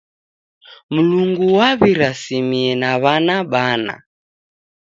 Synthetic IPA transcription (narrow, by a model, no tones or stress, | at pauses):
muluŋɡuwaβiɾasimiɛnaβanaɓana̰